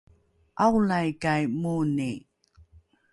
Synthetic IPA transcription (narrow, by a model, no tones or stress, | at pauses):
aɣlajkajmuːni